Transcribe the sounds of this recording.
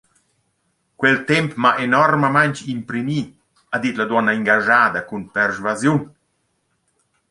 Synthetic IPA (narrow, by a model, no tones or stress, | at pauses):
kwɛlt̪ɛmpmaʔenɔrməmaɲt͡ʃimpɾimi | ad̪it̪lad̪wɔnaiŋɡaʒaːd̪akunpɛrʒvazjun